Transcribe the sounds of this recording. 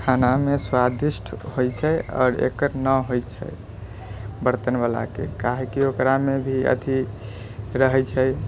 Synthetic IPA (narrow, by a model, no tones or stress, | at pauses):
kʰanameswad̪isʈʰhojt͡ʃʰəɔ̰ːɾḛkəɾnəɦojt͡ʃʰə̰j | bəɾt̪ənbala̰kḛkaɦekiokɾamebʱiə̰t̪ʰi | ɾəɦɛt͡ʃʰəj